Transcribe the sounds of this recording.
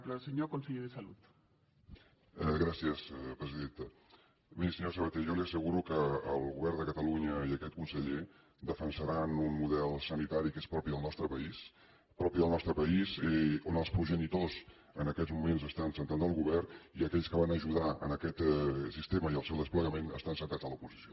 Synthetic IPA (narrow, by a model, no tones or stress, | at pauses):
pɾsəɲokonsəʎeðəsalut̪ | ɣɾasiəspɾəziðent̪ə | misəɲosəβət̪eʒjɔliəsəɣuɾukəːlˠɣuβɛrnd̪əkət̪əluɲəiəkɛt̪̚kunsəʎe | d̪əfənsəɾanunmuðɛlˠsənit̪aɾikespɾɔpiðəlˠnɔst̪ɾəpəis | pɾɔpiðəlˠnɔst̪ɾəpəizonəlˠspɾuʒənit̪oz | ənəkɛzmumenzəst̪ansənt̪anəlˠɣuβɛriəkɛʎskəβanəʒuðaə̰nəkɛt̪sist̪eməiəlˠsewðəspləɣəmenə̰st̪ansənt̪aəlupuzisio